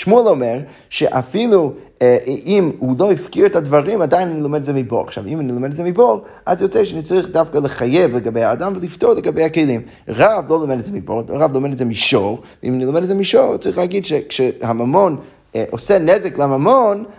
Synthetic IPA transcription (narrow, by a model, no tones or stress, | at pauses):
ʃmuɛlˠomɛʁ | ʃɛʔafilˠu | imhuloifkiɾɛtadvaʁimadajnanilomɛdtzɛmiboa̰χʃa̰vimanilˠomɛdɛtzɛmiboʁ | azjɔt͡sɛʃanit͡saʁiχdafkalˠəχajevlˠəɡabeɪhaːdamvəlˠiftɔɾlˠəɡabejakejlˠim | ʁavlˠolˠomɛdɛtzɛmibo̰ʁʁavlˠomɛdɛtzɛmiʃoʁvḭmanilˠomɛdɛtzɛmiʃoʁt͡saʁiχlˠaaɡidʃɛkʃɛhamamɔn | ʔosɛnɛzɛklamamɔn